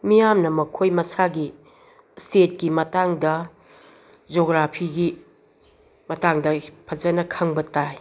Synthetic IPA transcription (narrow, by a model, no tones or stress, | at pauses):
mijamnɐmɐkʰojmɐsaɡi | stet̚kimɐtaŋdɐ | d͡ʒoɡɾapʰiɡi | mɐtaŋdɐpʰɐzɐnɐkʰɐŋbɐtaj